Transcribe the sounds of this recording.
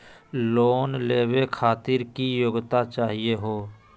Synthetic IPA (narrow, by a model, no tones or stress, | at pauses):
loːnleːwekʰaːt̪ɪɾkijoːɡt̪at͡ʃaːɦijeɦoː